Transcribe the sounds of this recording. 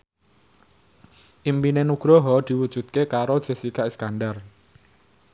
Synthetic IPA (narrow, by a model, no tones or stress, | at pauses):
ʔimpinenuɡ̥ɾɔɦɔd̪̥i̤wud̥ʒ̥ṳd̪̚kekaɾod̥ʒ̥e̤sikaskandar